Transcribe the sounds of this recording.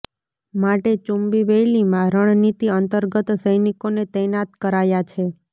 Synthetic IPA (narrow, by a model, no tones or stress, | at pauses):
maʈet͡ʃumbiʋejlimãɾəɳ̃nit̪iənt̪əɾɡət̪səjnikonet̪ɛnat̪kəɾajat͡ʃʰe